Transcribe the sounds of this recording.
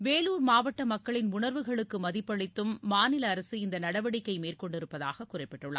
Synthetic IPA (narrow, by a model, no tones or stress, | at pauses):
ʋeːluːɾmaːʋɐʈːɐmɐkːɐɭɪnʊnɐɾʋɯɣɐɭɯkːɯmɐðɪpːɐɭɪt̪ːɯmːaːnɪlɐːɾɐsɯɪnd̪ɐnɐɽɐʋɐɽɪkːɐɪmeːrkɔɳɖɪɾɯpːɐða̰ːɣɐkʊrɐɪpːɛʈːɯɭːa̰